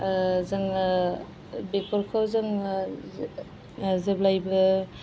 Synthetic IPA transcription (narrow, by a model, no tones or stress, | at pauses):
zɯŋ | bekʰɔɾkʰawzɯŋ | zeblajbɯ